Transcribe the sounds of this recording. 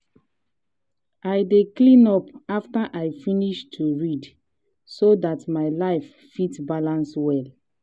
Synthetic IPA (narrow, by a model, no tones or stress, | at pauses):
ajdeklĩnɔpaftaʔajfiniʃtʰuɹid | sodatmaɪlaɪf | fitbalãnswɛl